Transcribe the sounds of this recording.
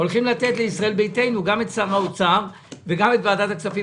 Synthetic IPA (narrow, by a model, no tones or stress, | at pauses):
o̞lχimlat̪etleisʁaʔe̞lbe̞jte̞jnuɡamet̪saʁaot͡saʁ | veɡamet̪vaːdat̪hakt͡safi